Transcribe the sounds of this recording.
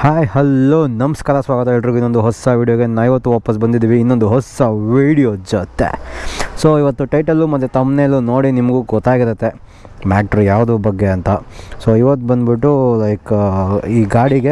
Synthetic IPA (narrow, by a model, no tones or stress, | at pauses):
haːjhɐlːoːnɐmɐskaːɾɐsʋaːɡɐt̪ɐɦeɭɾiɡuinːond̪uɦɔsːaʋiːɽijoːɡe̞naːʋiʋɐt̪ːuʋaːpɐs̬bɐnd̪id̪iːʋiːnːond̪uɦɔsaʋiːɽijoːd͡ʒɐt̪ːḛsoːiʋɐt̪ːuʈɐjʈɐlːumɐt̪ːet̪ɐmnelunoːɽinimɐɡuɡɔt̪ːaːɡiɾɐt̪ːe̞ | maːʈɐɾjaːʋd̪ubɐɡːe̞ɐnt̪ɐsoiʋɐt̪ːubɐnd̪biʈːulɐjkiːɡaːɽiɡe